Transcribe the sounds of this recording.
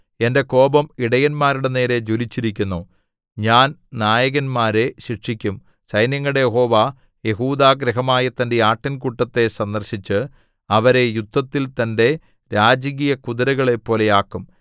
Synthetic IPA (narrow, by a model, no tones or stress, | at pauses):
e̞nde̞ko̞ːbɐmiɽɐjɐnmaːɾuɽe̞ne̞ːɾe̞d͡ʑolit͡ɕːiɾikʲːunːoː | ɲaːnnaːjɐɣɐnmaːɾe̞ɕikʂikʲːum | sɐjnjɐŋːɐɽejeɦo̞ːʋaː | je̞ɦuːd̪aːɡɾɐɦɐmaːjɐt̪ːɐnde̞aːʈːɐnkuʈːɐt̪ːe̞sɐnd̪ɐrɕit͡ɕːɨ | ɐʋɐɾe̞jud̪ːɐt̪ːilt̪ɐnde̞ | ɾaːd͡ʑɐɣijɐkuðɐɾɐɣɐɭe̞pːo̞ːle̞jaːkːum